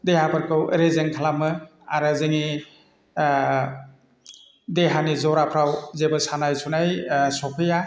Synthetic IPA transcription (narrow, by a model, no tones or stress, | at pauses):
deɦapʰaɾkʰɯwɾezeŋkʰalamɯ | aɾazɯŋi | deɦanizɔɾapʰɾawzebɯsanajsʰunajsɔpʰɯja